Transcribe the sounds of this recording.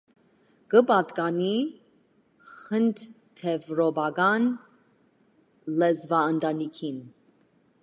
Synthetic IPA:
ɡəpɑt̪kɑni | χənt̪ | t̪ʰɛvɾɔbɑɡɑn | lɛzvɑənt̪ɑnikʰin

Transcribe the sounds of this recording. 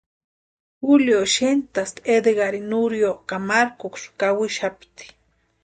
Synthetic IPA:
xuljoʃent̪ast̪ed̪eɡaɾinuɾjokamaɾkokskawɪʃapt̪i̥

